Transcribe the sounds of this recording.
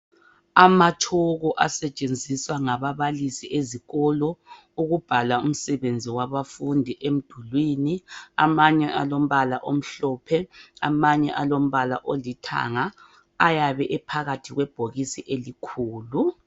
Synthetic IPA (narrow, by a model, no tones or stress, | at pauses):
amatʰɔɣɔʔasɛt͡ʃʼend͡zʱiswaŋaβaβalisiʔeziɣɔlɔ | uɣub̥ʱalaum̩sɛβend͡zʱiwaβafundʱiʔem̩d̥ʱulwiːnia̰maɲɛʔa̰lom̩βala̰ʔom̩ɬɔːpʰɛa̰maɲɛ̰ʔalom̩βala̰ʔolitʰa̰ŋaː | jaβɛʔɛpʰaɣatʰiɣwɛb̥ʱoɣisiʔelikʰuːlu